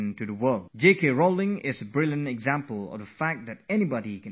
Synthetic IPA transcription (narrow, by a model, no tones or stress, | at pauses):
ntʰɨðəwɜ˞lˠdd͡ʒeɪkeɹoʊlˠɪ̃ŋɪzəbɹɪlˠjə̃ntɨɡzæ̃mpəl̩ˠə̰vðəfæk̚t̪̚ðɨɾɛnibɑɾikɨ̃